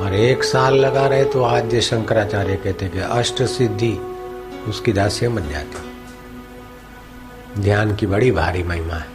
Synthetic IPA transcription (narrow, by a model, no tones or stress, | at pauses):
ɔːɾeːksaːlːɐɡaɾɐɦet̪oaːd͡ʒjeʃɐ̃ŋkəɾaːt͡ʃaːɾekɛɦt̪eɦɛkeʔɐʃʈəsɪd̪ʱːi | ʊskid̪aːsẽmɐnd͡ʒa̰ːt̪i̥ɦɛ | d̪ʱjaːnkibɐɽibʱaːɾimɐɦɪmaɦɛ